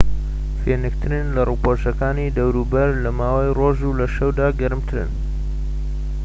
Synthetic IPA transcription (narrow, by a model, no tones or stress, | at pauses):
fenɨk̚t̪ʰɨɾɨnlɐruːpoʃɐkaːnid̪ɐwɾuːbɐɾlɐmaːwajroːʒulɐʃɐwd̪aːɡɐɾɨmt̪ʰɨɾɨ̰n